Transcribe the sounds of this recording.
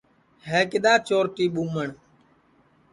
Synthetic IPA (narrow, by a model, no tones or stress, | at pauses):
ɦeːkɪɗ̪aːt͡ʃoːɾʈ̪iːɓuːməɳ